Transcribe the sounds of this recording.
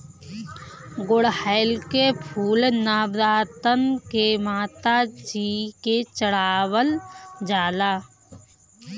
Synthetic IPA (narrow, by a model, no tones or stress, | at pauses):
ɡʊɽhəɪlkepʰuːlnaːbɾaːt̪ənkemaːt̪ad͡ʒiːket͡ʃəɽaːwəld͡ʒaːlaː